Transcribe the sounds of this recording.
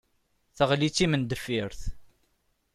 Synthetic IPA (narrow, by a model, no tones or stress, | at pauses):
θəʁlit͡sːimənd̪əfiɾθ